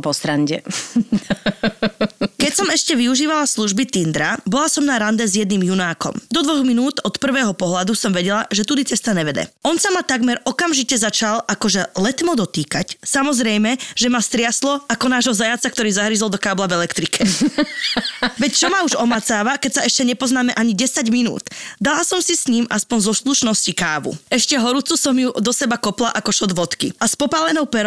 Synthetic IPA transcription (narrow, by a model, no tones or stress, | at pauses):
pɔst̪ɾaɲɟɛ̰ | kɛcsɔmɛʃcɛʋiuʒiːʋalasluʒbit̪ind̪ɾabɔlasɔmnaɾand̪ɛzjɛd̪̚niːmjunaːkɔ̰md̪ɔd̪ʋɔɣminuːt̪ɔt̪pr̩ʋɛːɦɔpɔɦlad̪usɔmʋɛɟɛlaʒɛt̪ud̪it͡sɛst̪aɲɛʋɛd̪ɛ̰ɔnsamat̪aɡmɛɾɔkamʒicɛzat͡ʃalakɔʒɛlɛt̪mɔd̪ɔt̪iːkacsamɔzɾɛjmɛʒɛmast̪ɾɪaslɔakɔnaːʒɦɔzajat͡sak̚t̪ɔɾiːzaɦɾizɔlˠd̪ɔkaːblavɛlɛkt̪ɾikʰɛ | ʋɛct͡ʃɔmauʒɔmat͡saːʋakɛcsaɛʃcɛɲɛpɔznaːmɛʔaɲiɟɛsaɟminṵːt̪d̪alasɔmsisɲiːmʔaspɔnzɔsluʃnɔscikaːʋṵɛʃcɛɦɔɾut͡susɔmjud̪ɔsɛbakɔplaʔakɔʃɔd̪ʋɔt̪kḭaspɔpaːlɛnɔʊpɛɾ